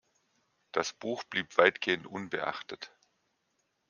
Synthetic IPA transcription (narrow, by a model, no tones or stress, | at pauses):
d̥asb̥uːxb̥liːpv̥aɪtɡ̥eːəntʔʊnbə̰ʔa̰χtət